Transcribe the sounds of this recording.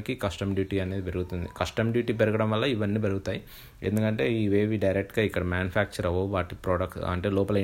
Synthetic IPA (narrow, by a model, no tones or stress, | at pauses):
kikɐsʈɐmɖjuːʈiːɐne̞ːd̪ipe̞ɾuɡut̪und̪ikɐsʈɐmɖjuːʈiːp̬eɾuɡɐɽɐmʋɐlːɐiʋɐnːiːpeɾuɡut̪aːji | e̞̰nd̪ukɐɳʈe̞ːiːʋeːʋiɖɐjɾek̚ʈɡaːikːɐɽɐmaːnjupʰaːk̚t͡ʃɐɾɐʋoʋaːʈipɾːɖɐksɐ̰ɳʈe̞ːlɔːpɐlɐ